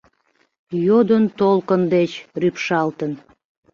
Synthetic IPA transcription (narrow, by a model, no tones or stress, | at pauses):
jod̪ənt̪olkənd̪et͡ɕrypʃɑlt̪ən